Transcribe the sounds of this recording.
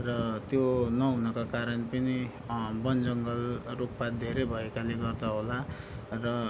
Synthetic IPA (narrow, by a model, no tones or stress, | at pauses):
rʌt̪jonʌɦunʌkakaɾʌnpʌni | bʌnd͡zʌŋɡʌlrukpad̪ʱeɾejbʱʌjkaleɡʌrd̪aɦola | rʌ